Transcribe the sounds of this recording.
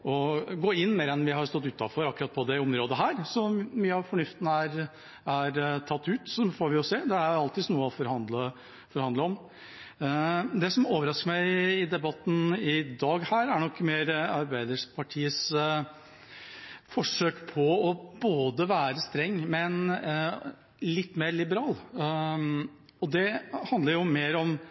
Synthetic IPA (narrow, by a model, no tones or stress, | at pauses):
ɔɡoːɪnːmeːɾɛnʋɪhɑɾst̪ɔt̪ːʉːt̪ːɑfɔɾɑkːɾɑt̪̚pʰɔd̪ɛɔmɾoːd̪əɦæːɾsɔmyːəɑʋfɔɳʉft̪ənəæɾ | æɾt̪ʰɑt̪ːʉːt̪sɔfɔːɾʋɪɔseːd̪ɛæɾjɑlt̪ʰɪsnuːəɔfɔɾhɑnd̪lə | fɔɾhɑnd̪əɔm | d̪ɛsɔmoːʋəɾɑskəmæɪɪd̪ɛbɑt̪ːn̩ɪd̪ɑːɡhæːɾæɳɔkːmeːɾɑɾbæɪd̪əʂpʰɑʈʰiːəs | fɔʂøːkpʰɔɔboːd̪əʋæːɾəst̪ɾɛŋːmɛn | lɪt̪ːmeːɾlɪbəɾɑːl | ɔd̪ɛhɑnd̪əɾjʊmeːɾɔm